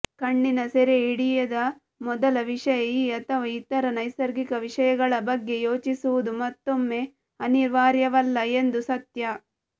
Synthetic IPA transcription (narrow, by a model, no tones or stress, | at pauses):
kɐɳːinɐseɾeiɽijɐd̪ɐ | mɔd̪ɐlɐʋiʂɐjɐjiːɐt̪ʰɐʋɐit̪ːɐɾɐnɐjsɐɾɡikɐʋiʂɐjɐɡɐɭɐbɐɡːe̞joːt͡ʃisuʋud̪umɐt̪ːo̞mːe̞ | ɐniɾʋaːɾjɐʋɐlːɐe̞nd̪usɐt̪jɐ